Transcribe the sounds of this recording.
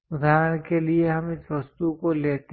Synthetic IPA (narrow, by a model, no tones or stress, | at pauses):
ʊd̪ʱaːɾəɽ̃kelieɦɐmɪsʋɐst̪ukoleːt̪